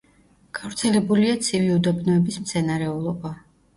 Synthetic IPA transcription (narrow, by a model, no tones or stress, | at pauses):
ɡ̥avɾt̪sʰɛlɛbuliat̪sʰiviud̪ɔbnɔɛbismt̪sʰɛnaɾɛulˠɔba